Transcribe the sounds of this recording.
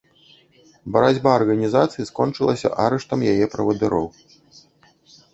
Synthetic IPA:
bɐɾad͡zʲbaɐrɣɐnʲizat̪sɨjiskɔnt͡ʂɨlˠɐsʲɐ̰ʔaɾɛʂt̪ɐmjajɛpɾɐvɐd̪ɨɾɔw

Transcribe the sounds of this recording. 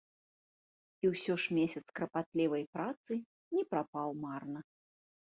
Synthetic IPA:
iwsʲɔʂmʲesʲɐt̪skɾɐpat̪lʲivɐjpɾat̪sɨ | nʲɛpɾapawmarnɐ

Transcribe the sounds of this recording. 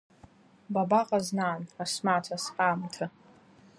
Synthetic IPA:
babaqʼaznaːnrasmaːtʰasqʼaːmtʰɨ

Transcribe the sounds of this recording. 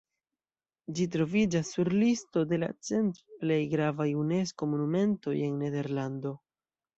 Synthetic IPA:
d͡ʒit̬ɾo̞vid͡ʒasːuɾlisto̞de̞la̰t͡se̞ntple̞jɡɾavajune̞sko̞mo̞nume̞nto̞je̞nːe̞de̞ɾlando̞

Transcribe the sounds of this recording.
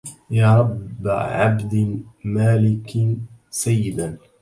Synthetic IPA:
jaːɾˤɑbːʕabd̪maːlɪksajːɪd̪an

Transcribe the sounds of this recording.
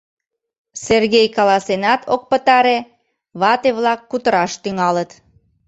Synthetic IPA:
serɣejkɑlɑsenɑt̪ʰok̚pət̪ɑɾe | βɑt̪eβlɑkːut̪əɾɑʃt̪yŋɑlət̪

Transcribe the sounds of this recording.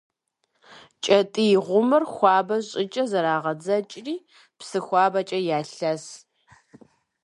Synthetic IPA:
t͡ʃʼɐtʼijɪʁʷʊmɨrxʷɑːbɐɕʼɪt͡ʃʼɐzɐɾaːʁɐd͡zɐt͡ʃʼriː | psɨxʷɑːbɐt͡ʃʼɐjaːɬɐs

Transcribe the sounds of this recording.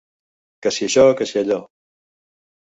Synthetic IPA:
kəsiəʃɔkəsiəʎɔ

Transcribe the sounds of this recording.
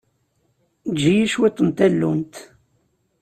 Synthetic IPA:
d͡ʒijiʃwit̪ˤːənt̪ælːumt̪

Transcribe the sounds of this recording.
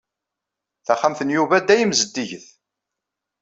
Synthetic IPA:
θæχamθənjuvæd̪ːæjəmzəd̪ːiʝəθ

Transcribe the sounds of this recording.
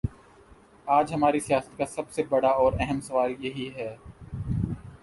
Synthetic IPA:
aːd͡ʒɦɐmaːɾisijaːsə̥t̪̚kasɐbsebɐɽaɔːɾɛɦəmsɐʋaːljɐɦiɦɛː

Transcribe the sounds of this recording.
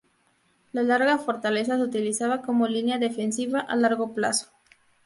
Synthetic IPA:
lalaɾɣafo̞ɾt̪ales̬as̬ut̪ilisaβakomolinjaðefensiβaʔalaɾɣoplaso̥

